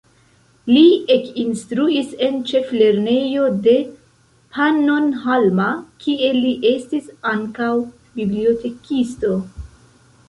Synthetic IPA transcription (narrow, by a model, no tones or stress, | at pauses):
lie̞kinstɾuise̞nt͡ʃe̞fle̞ɾne̞jo̞de̞ | pʰano̞nɦalmakʰie̞liʔe̞stisaŋkaw | biblio̞te̞kisto̞